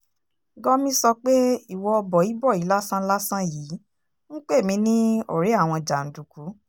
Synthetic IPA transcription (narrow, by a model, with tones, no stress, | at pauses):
ɡɔ˦mĩ˦sɔ˧k͡pe˦i˦˨wɔ˧ɔ˧bɔ˨i˨˦bɔ˦˨i˨˦la˦sã˦la˦sã˦jiː˨˦ | ŋ̩̃˦k͡pe˦˨mĩ˨˧˦nĩ˦o̰˦˨ɾe˨˦a˦˨w̃ɔ̃˧d͡ʒa˨n̩˨du˨ku˨˦